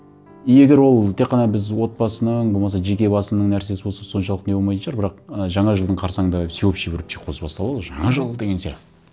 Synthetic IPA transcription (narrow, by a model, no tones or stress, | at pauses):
ijeɡʲe̞ɾwo̞lˠt̪ʰe̞qʰːɑnɑbɪzwo̞t̪̚bɑsənəɴbo̞lˠmɑsɑʒe̞kʲe̞bɑsənəɴnæɾse̞sɪbo̞lˠsɑso̞nʃɑlˠəq̪neolˠmɑjsəʒɑɾbɪɾɑqəʒɑɴɑʒəlˠd̪əɴqʰɑɾsɑŋd̪ɑsewepʃebeɾɪp̚t̪ʰeqʰosəbɑst̪ɑlˠɑd̪əʒɑɴɑʒəlˠd̪eɡʲensḛ